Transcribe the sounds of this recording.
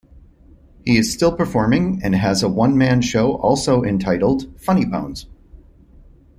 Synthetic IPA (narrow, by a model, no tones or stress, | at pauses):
hiɨz̥stɪlˠpə˞fɔɹmɪ̃ŋɨ̃nɨzəwʌ̃nmæ̃nʃoʊʔɔ̰lˠsoʊʔɨ̃ntʰaɪɾl̩ˠd̥fʌñibõ̰ʊ̃nz̥